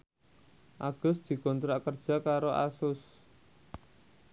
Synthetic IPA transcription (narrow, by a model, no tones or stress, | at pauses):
ʔaɡ̥ʊ̤sd̪̥i̤kɔnt̪ɾaʔkərd̥ʒ̥a̤kaɾoʔa̰sʊs